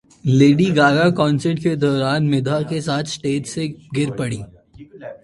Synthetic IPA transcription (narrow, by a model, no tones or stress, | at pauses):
leːɖiɡaːɡakɔ̃ːnsəɾʈked̪ɔːɾaːnmɪd̪ʱakesaːt̪ʰsʈeːʈseɡɪɾpɐɽiː